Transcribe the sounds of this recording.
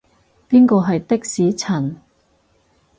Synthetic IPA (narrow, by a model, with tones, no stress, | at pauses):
piː˥nkɔː˧ɦɐ˨jt̪ɪ˥k̚siː˨˥t͡sʰɐ˨˩n